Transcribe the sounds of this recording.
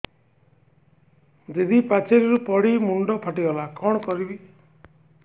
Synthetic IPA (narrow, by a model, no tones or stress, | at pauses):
d͡ʒed̪ipat͡ʃʰeɾiɾupɔɽimuɳɖɔpʰaʈibɔlakɔɽ̃ɔkɔɾibi